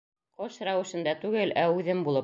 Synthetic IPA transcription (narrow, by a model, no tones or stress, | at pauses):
qɤʃɾɑwɘ̆ʃɤ̆nd̪ɑt̪ʉɡɘlʔæʉðɘmbulˠɤ